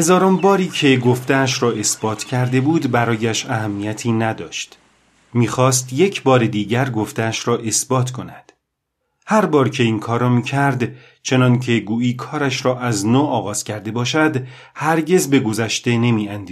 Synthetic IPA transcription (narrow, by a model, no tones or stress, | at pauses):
hezɒːɾombɒːɾiːcʰe̞ɡo̞ft̪eæʃɾɒːe̞sb̥ɒːt̪ʰcʰæɾd̪e̞buːd̪bæɾɒːjæʃæɦæmːijæt̪ʰiːnæd̪ɒːʃt̪ | miːxɒːst̪je̞cʰbɒːɾed̪iːɟæɾɡo̞ft̪eæʃɾɒːʔe̞sbɒːt̪ʰkʰo̞næd̪̥ | hæɾbɒːɾcʰe̞iːnkʰɒːɾɒːmiːcʰæɾd̪ | t͡ʃʰe̞nɒncʰe̞ɡuːiːkʰɒːɾæʃɾɒːʔæznoːɒːɣɒːz̥cʰæɾd̪e̞bɒːʃæd̪ | hæɾɟe̞zbe̞ɡo̞zæʃt̪e̞ne̞miːænd̪i